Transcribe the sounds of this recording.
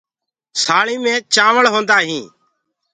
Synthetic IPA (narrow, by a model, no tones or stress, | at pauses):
saːɭĩːmẽːt͡ʃãːʋəɭɦõːnd̪aːɦĩː